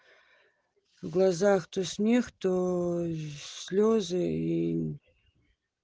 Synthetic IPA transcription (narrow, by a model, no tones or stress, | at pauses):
vɡlˠɐzaxt̪osmʲext̪o | sʲlʲozɨi